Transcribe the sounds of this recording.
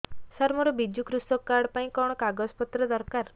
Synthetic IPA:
saɾmɔɾubid͡ʒukɾusɔkːaɽpaĩkɔɳ̃ɔkaɡɔspɔt̪ɾɔd̪ɔɾkaɾ

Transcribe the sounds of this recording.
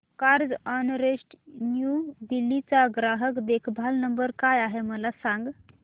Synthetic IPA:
kaɾd͡zɔnɾeʂʈnjud̪ilːit͡saɡɾaɦəkd̪ekʰbʱalnəmbəɾkajaɦeməlasãŋɡ

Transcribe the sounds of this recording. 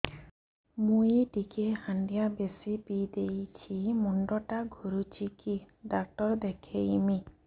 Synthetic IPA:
mũjʈikehaɳɖijabesipid̪ejt͡ʃʰimuɳɖɔʈaɡʱuɾut͡ʃʰiki | ɖak̚ʈɔɾd̪ekʰeimi

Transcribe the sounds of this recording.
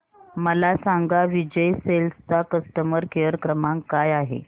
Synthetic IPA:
məlasaŋɡaʋid͡ʑəjselst͡sakəsʈəməɾkʰejəɾkɾəmaŋkajaɦḛ

